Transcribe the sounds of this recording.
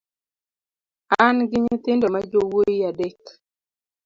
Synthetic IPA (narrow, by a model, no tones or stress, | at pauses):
anɡɪɲɪt̪ɪndɔmad͡ʒowojiadɛk